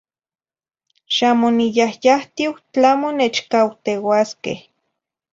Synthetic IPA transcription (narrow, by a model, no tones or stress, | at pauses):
ʃamonijahjaht̪iwt͡ɬamonet͡ʃkawt̪ewaskḛh